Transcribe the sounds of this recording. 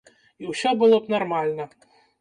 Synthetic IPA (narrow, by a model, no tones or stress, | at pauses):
iwsʲɔbɨlˠɔpnarmalʲnɐ